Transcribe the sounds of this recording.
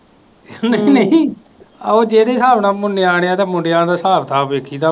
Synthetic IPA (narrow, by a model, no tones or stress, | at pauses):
nːnəĩː | oːd͡ʒeːd̪eːsaːbnaːmʊneaːɽ̃eːaːt̪ãːmʊnɖɪjãːd̪aːsaːʋt̪ʰaːʋeːkʰiːd̪aː